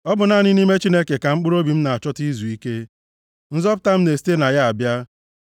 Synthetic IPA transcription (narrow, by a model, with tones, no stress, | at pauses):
ɔ˦bʊ˨na˨˦˨nɪ˦ni˦me˦t͡ʃi˦ne˦ke˨ka˨ŋ͡m̩˦k͡pʊ˦ɾo˦bi˨m̩˦na˨a˨t͡ʃɔ˦ti˦zu˨i˦ke˦ | n̩˦zɔ˦pʊ˦ta˦m̩˦ne˨si̥˦te˦na˨ja˦a˨bja˦